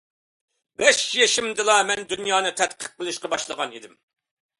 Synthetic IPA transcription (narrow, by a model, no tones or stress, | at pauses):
bɛʃjeʃɪmd̪ɨlˠɑmɛnd̪ynjɑːnɨt̪ʰɛt̪̚qʰə̥q̚ːəlˠɨʃqɑbɑʃlˠəʁɑnid̪ɪm